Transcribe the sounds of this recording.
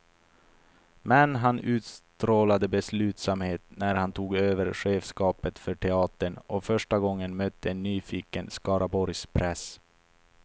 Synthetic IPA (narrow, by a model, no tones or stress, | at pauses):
mɛnɦanʉ̟ːt̪st̪ɾoːlad̪əbɛslʉ̟ːt̪samheːt̪næɾhant̪ʰuːɡøːvəɾɧeːfskɑːpət̪fœʈʰɛɑːt̪əɳʔɔfœʂʈaɡɔŋːənmœt̪ʰːəɛnːyːfiːkənskɑːɾʔabɔɾjspʰɾɛs